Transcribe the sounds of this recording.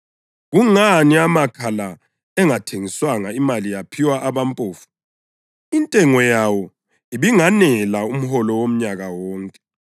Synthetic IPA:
ɣuŋaniamakʰala | ɛŋatʰeŋiswaŋaimalijapʰiwaʔaβampʼoːfu̥ | intʼɛŋɔjawɔ | iβiŋanɛlaum̩hɔlɔwom̩ɲaɣawɔːŋkʼɛ̥

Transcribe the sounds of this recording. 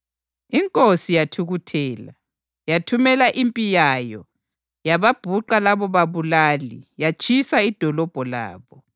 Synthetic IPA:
iŋkʼosijatʰuɣutʰɛːla̰ | jatʰumɛlaʔimpʼijajɔ | jaβab̥ʱuǃalaβɔβaβulaːlḭjat͡ʃʼʰisaid̥ʱɔlɔb̥ʱɔla̰ːβɔ

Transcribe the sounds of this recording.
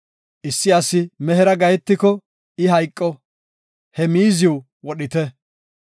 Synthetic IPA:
ʔɪsːɪɐsɪmɛɦɛɾɐɡɐjɛt̪ːɪkɔ | ɪɦɐjkʼːɔ | hɛmiːzɪw | wɔɗɪt̪ɛ

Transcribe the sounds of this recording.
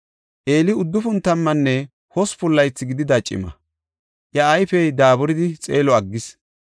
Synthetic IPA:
ʔe̞ːlɪʊd̪ːʊfʊnt̪ɐmːɐnːɛ | hɔspʊlːɐjt͡sːɪɡɪd̪ɪd̪ɐt͡ʃʼːɪ̰mɐ̰ | jɐːjfɛjd̪aːbɔɾɪd̪ɪt͡sʼḛːlɔɐɡːɪs

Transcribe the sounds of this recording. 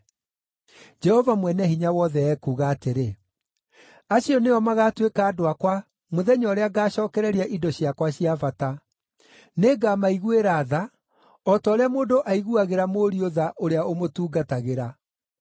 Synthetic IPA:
d͡ʒɛhɔvamwɛnɛhiɲawɔðɛɛkuːɣaːteɾe | aɕiɔneɔmaɣatwekaːdoakwa | moðɛɲɔɾeaɡaːɕɔːkɛɾɛɾiaʔidɔɕiakwaɕiavata | neːɡamaiɣueɾaːða | ɔtɔːɾeamoːdoʔaiɣuaɣeɾamoɾioðaʔoɾeaomotuːɡataɣeɾa

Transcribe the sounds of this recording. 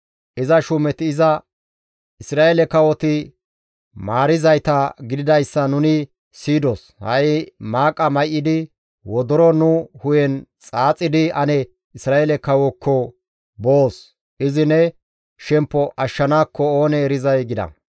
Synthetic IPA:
ʔɪzɐʃʊmɛt̪ɪːzɐ | ɪsɾaːjelɛkɐwɔt̪ɪ | maːɾɪzɐjt̪ɐɡɪd̪ɪd̪ɐjsːɐnʊnɪ | siːd̪os | hɐ̰jmaːkʼɐmɐjʔɪd̪ɪ | wɔd̪ɔɾɔnʊhʊjɛnt͡sʼaːt͡sʼːɪd̪ɪɐnɛ | ɪsɾaːjɛlɛkɐwɔkʰːɔ | boːs | ʔɪzɪnɛ | ʃɛmpːɔʔɐʃːɐnaːkːɔoːnɛːɾɪzɐjɡɪd̪ɐ̰

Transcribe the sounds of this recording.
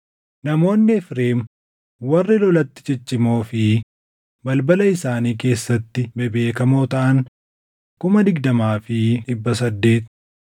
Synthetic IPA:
nɐmo̞ːnːɪfɾeːm | wɐrːɪlɔlɐt̪ːɪ̥t͡ʃɪt͡ʃːɪmo̞ːfɪ | bɐlbɐlɐɪsaːniːke̞ːsːɐt̪ːɪbɛbe̞ːkɐmoːt̪ɐʔɐŋ | kʊmɐd̪ɪɡd̪ɐmaːfɪᶑɪbːɐs̬ɐd̪ːe̞ːt̪

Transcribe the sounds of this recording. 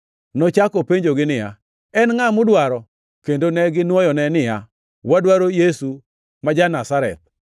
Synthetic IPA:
nɔt͡ʃakopeɲd͡ʒoɡɪnɪja̰ | ɛnŋamʊdwaɾɔ | kendonɛɡɪnwɔjɔnɛnɪja | wadwaɾojesu | mad͡ʒanasaɾɛ̰t̪̚

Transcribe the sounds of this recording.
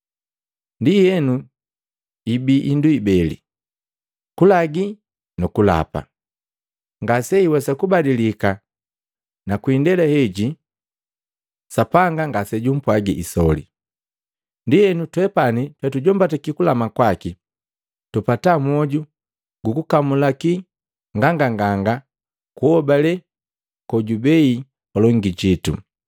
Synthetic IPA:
ndijɛnu | ibiʔinduibɛlḭ | kulaɡi | nukula̰pa̰ | ŋɡasɛiwɛsakubadilika | nakwindɛlɛhɛɟi | sapaŋɡaŋɡasɛɟum̩pwaɡiisɔlḭ | ndijɛnutwɛpanitwɛtuɟɔmbatɛkikulamakwaki | tupatamɔɟu | ɡukukamulaki | ŋɡaŋɡaŋɡaŋɡa | kuɔbalɛ | kɔɟubɛi | kɔlɔŋɡiɟitṵ

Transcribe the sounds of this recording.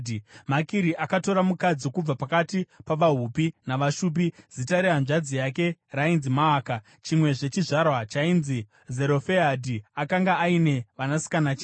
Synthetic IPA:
makiɾiʔakato̞ɾamukad͡zikub͡vapakatipaʋaɦupinaʋaʃuːp̬iz̥itaɾianʐad͡zijake̞rainzimaːka | t͡ʃimwe̞ʐe̞t͡ʃiʐarwat͡ʃainzi | ze̞ɾo̞feadʱiakaŋɡaːine̞ʋanasi̥kanat͡ʃe

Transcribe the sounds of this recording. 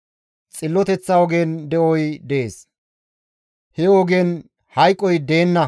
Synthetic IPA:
t͡sʼɪlːɔt̪ɛt͡sːɐwɔɡeːnd̪ɛʔɔjd̪eːs | hɛɔɡeːn | hɐjkʼːɔjd̪e̞ːnːɐ

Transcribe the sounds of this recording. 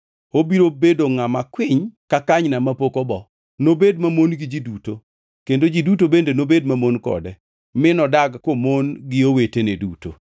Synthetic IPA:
obiɾobedoŋamakwɪɲkakaɲnamapokobɔ | nobedmamonɡɪd͡ʒiduto | kendod͡ʒidutobendenobedmamonkɔ̰dɛ | mɪnɔdaɡkomonɡɪoweteneduto̰

